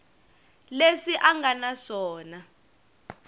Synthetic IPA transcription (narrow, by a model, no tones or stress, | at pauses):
leʂiʔaŋɡanaʂɔːna